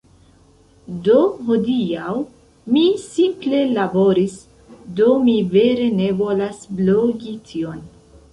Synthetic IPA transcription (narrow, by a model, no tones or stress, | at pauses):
do̞ɦo̞diaw | misimple̞labo̞ɾis | do̞mive̞ɾe̞ne̞vo̞lasbloɡitʰio̞n